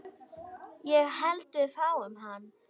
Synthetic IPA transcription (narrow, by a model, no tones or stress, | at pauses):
jɛɣhɛlt̪ʏðfawʏmɦanː